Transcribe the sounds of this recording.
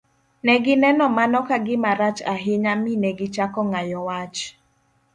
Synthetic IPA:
nɛɡɪnɛnɔmanɔkaɡɪmaɾat͡ʃaɦɪɲaminɛɡɪt͡ʃakɔŋajɔwat͡ʃ

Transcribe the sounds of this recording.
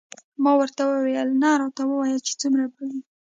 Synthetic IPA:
mɑwəɾt̪awəwejəlnɑɾɑt̪awəwajəlt͡ʃe̥t͡sumɾabəli

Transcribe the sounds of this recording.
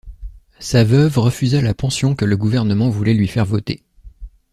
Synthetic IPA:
savœvʁəfyzalapɑ̃sjɔ̃kələɡuvɛʁnəmɑ̃vulɛlɥifɛʁvɔt̪ḛ

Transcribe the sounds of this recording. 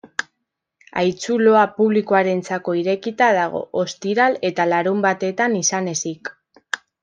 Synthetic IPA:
a̰jt͡sulo̞apuβlikoaɾe̞nt͡sako̞iɾe̞kit̪að̞aɣ̞o̞̰ʔost̪iɾale̞t̪alaɾumbat̪e̞t̪anisane̞sik

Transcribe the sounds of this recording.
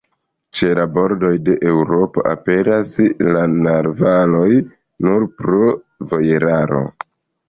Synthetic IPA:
t͡ʃe̞labo̞ɾdo̞jde̞ʔewɾo̞po̞̰ʔa̰pe̞ɾaslanaɾvalo̞j | nuɾpɾo | vo̞je̞ɾaɾo̞̰

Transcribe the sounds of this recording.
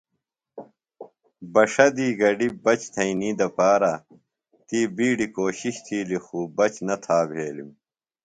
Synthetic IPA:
bɐʂɐd̪iːɡɐɖibɐt͡ɕt̪ʰɐ̃ĩniːd̪ɐpaːɾa | t̪iːbiːɖikoːɕiɕt̪ʰiːlixuːbɐt͡ɕnɐt̪ʰaːbʱeːlḭm

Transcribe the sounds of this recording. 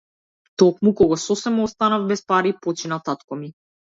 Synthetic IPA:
t̪ɔkmukɔɡɔsɔsɛmɔɔst̪anavbɛspaɾipɔt͡ʃinat̪at̪kɔmi

